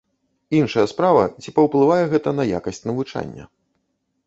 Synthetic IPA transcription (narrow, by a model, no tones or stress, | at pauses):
inʂɐjɐspɾavɐ̰t͡sʲipɐwplˠɨvajɛɣɛt̪ɐnɐja̰kɐsʲt͡sʲnɐvut͡ʂa̰nʲːɐ̰